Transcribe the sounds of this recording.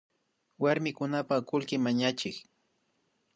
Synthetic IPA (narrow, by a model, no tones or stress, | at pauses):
waɾmɪkʊnapakʊlkɪmaɲat͡ʃɪk